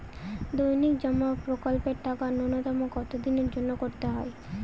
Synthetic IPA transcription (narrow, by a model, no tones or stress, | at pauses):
d̪ojnikd͡ʒəmːapɾokɔlpeɾʈakanɔnɔt̪ɔmoɡɔt̪od̪ineɾd͡ʒɔnːɔkɔɾt̪eɦɔj